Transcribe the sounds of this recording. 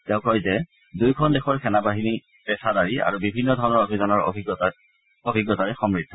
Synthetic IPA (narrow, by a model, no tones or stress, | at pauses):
tɛʊ̃kɹɔjzɛ | dujkʰɔndɛxɔɹkʰɛnabaɦini | pɛsadaɹia̰ɹubibʱinːɔdʱɔɹɔnɔɹobʱizɔnɔɹ̰ʱiɡ | obʱiɡːɔtaɹɛxɔmɹid̪ʱːɔ